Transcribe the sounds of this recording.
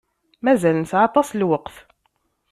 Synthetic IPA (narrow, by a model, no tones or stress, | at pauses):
mæzælnəsʕat̪ˤːɑslwəqθ